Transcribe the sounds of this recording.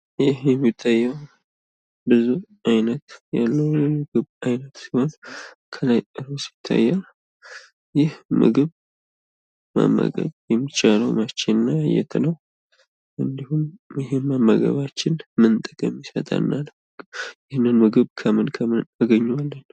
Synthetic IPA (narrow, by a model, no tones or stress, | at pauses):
jɪhjɛmːit̪ʰːajːəw | bɨzu | ajnət̪ja̰lːəwmɨɡɨβajnət̪si̥ho̞n | kʰəlajɨɾosi̥t̪ʰːa̰jːaw | jɪhmɨ̰ɡɨβ | ma̰mːə̰ɡə̰βjɛmːit͡ʃʼaləwmat͡ʃːenːajɛ̰t̪ʰɨləw | ʔɨnd̪ihumjɪɦemamːə̰ɡə̰βat͡ʃːɪnmɨnt̪ʼəkʼəmjɪsə̰t̪ʼa̰nːal | jɪhnːɨnmɨɡɨβkʰəmɨnkʰəmɨnaɡəɲːwalːən